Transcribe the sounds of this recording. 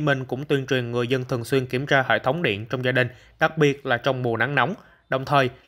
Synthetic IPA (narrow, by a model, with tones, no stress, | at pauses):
mï˨˩ŋ̟kʊ̰˧˥ŋ͡mt̪wi˧ənt͡ɕwi˨˩ənŋɨ˨˩əjzə˧nt̪ʰɨ˨˩əŋswi˧ənki˧˩əmt͡ɕaː˧hḛ˧˨jt̪ʰə˨˦wŋ͡mɗḭ˧˨ənt͡ɕɔ˧wŋ͡mzaː˧ɗï˨˩ŋ̟ | ɗa˨˩k̚ɓi˨˩ət̚laː˨˩t͡ɕɔ˧wŋ͡mmu˨˩əna˨˦ŋna˨˦wŋ͡m | ɗə˨˩wŋ͡mt̪ʰəː˨˩j